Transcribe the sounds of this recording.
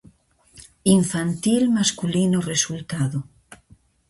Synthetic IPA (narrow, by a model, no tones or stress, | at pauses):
iɱfant̪ilmaskulinoresult̪aðo